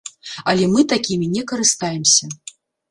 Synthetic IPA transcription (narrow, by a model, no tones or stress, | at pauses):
ɐlʲɛmɨt̪akʲimʲinʲɛkɐɾɨst̪ajɛmsʲɐ